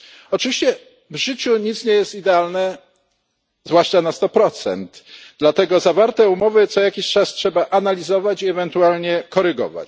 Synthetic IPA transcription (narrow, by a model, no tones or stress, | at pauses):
ɔt͡ʂɨvʲiɕt͡ɕɛ | vʐɘt͡ɕuɲit̪sɲejɛst̪id̪ɛalnɛ | zvwaʂt͡ʂanast̪ɔpɾɔt̪sɛ̰nd̪d̪lat̪ɛɡɔzavaɾt̪ɛumɔvɘt̪sɔjakʲiɕt͡ʂastʂɛbaʔanalʲizɔvat͡ɕiɛvɛnt̪ualɲɛkɔɾɘɡɔ̰va̰t͡ɕ